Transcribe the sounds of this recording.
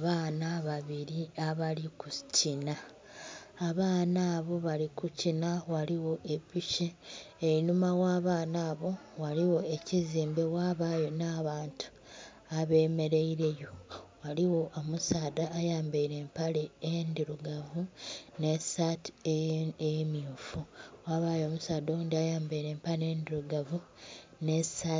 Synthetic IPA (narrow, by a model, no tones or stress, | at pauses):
aβaːnaβaβiɾiaβalikucinaː | βaːnaːβo̞βalikucinawaliwo̞ʔe̞piʃeːinumawaːβaːnaːβo̞ | waliwo̞eciziːmbe̞waːβajo̞naːβaːntʰu̥ | aβe̞ːme̞ɾe̞iɾe̞jo̞waliwo̞ʔomusaːd̪aːjaːmbeiɾe̞ːmpaleːndiɾuɡavune̞sati̥emjuːfuwaːβajo̞musaːdoːndiajaːmbeiɾe̞ːmpale̞ːndiɾuɡavu | ne̞sa